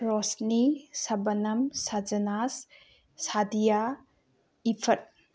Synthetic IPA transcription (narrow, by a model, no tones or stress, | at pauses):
ɾɔsnisɐbɐnɐmsad͡ʒɐnasː | adija | ipʰɐt̚